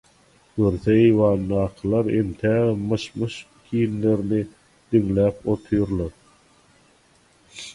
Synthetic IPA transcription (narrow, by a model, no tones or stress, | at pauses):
ɡ̥øɾθeejwɑːnd̪ɑːqʰɯlˠɑɾemt̪ʰæːðemɯʃmɯʃ | kʲʰiːnle̞ɾni | d̪̥iŋlæːpo̞t̪ʰujuɾlˠɑɾ